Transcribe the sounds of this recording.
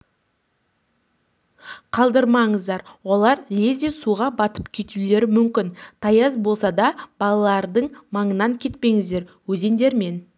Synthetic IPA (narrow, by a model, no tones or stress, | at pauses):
qʰɑlˠd̪əɾmɑɴəzd̪ɑɾwo̞lˠɑɾlezd̪esuʁɑbɑt̪ə̥pkʲʰe̞t̪ule̞ɾɪmʏmkʲɪnt̪ʰɑjɑzbo̞lˠsɑd̪ɑb̥ɑlˠɑlˠɑɾd̪əɴmɑɴənɑŋkʲʰe̞t̪pe̞ŋɪzd̪e̞ɾwɵze̞nd̪e̞ɾme̞n